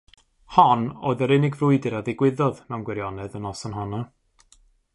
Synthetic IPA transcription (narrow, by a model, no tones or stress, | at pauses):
hɔno̰ːðəɾɪnɪɡvrʊɨdɪɾaðɪɡwɪðɔðnawnɡwɛɾjɔnɛðənɔsɔnɦɔna